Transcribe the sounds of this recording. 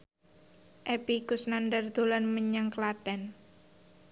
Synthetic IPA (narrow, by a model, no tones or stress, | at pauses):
ʔɛpikʊsnandərd̪̥olanməɲaŋklad̥ɛn